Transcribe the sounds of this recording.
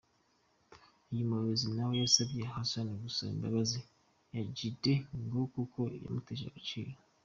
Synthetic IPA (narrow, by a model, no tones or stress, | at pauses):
ijimoɾozinawojasaβijeɦasanoɡusaḭmbaβazi | jaɟideŋɡokukʰoja̰muteʒa̰kut͡ʃḭːɾa